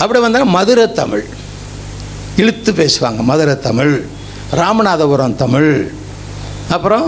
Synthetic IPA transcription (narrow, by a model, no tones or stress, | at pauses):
ʔɐpːɐɽiʋɐnd̪ɯnaːmɐðɯɾɐt̪ːɐmɪɻ | ɛɻɯt̪ːɯpeːsɯʋa̰ːŋɡɐmɐðɯɾɐt̪ːɐmɪɭ | ɾaːmɐnaːðɐʋʊɾɐmt̪ɐmɪɻ | ɐpːɯɾɔ̃